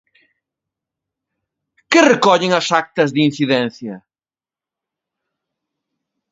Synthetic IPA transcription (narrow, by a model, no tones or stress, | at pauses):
kɪrekɔʎɪŋɐsak̚t̪ɐzðin̟θiðɛn̟θjɐ